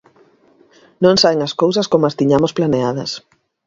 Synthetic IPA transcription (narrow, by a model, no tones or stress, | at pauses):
nõŋsaβeŋɐskowsɐskomoast̪iɲamosplaneaðɐ̰s